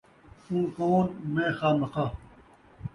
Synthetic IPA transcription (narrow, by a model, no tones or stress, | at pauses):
sũːkoːnmẽːxaːmɐxa